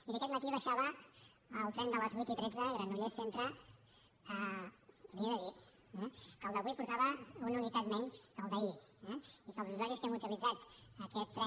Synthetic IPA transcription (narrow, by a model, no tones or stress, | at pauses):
ikəkɛt̪mət̪iβəʃaβəː | lˠt̪ɾɛnd̪ələzβujt̪it̪ɾɛd͡zəɣɾanuʎesent̪ɾə | əuðɾiəd̪əði | ɛkəlˠd̪əβuipuɾt̪aβəununit̪at̪mɛɲskəlˠd̪əiɛikəlˠzuzwaɾiskɛmut̪ilid͡zat̪əkɛt̪ːɾɛ